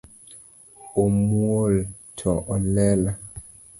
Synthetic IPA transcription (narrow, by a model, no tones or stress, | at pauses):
omuoltʰɔʔɔlɛla